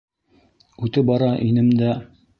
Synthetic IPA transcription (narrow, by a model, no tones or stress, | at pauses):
ʉt̪ɘp̚bɑɾɑʔinɘmd̪æ